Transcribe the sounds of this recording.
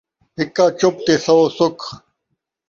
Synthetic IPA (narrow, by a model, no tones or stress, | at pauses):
ɦikːaːt͡ɕop̚t̪esɐosuk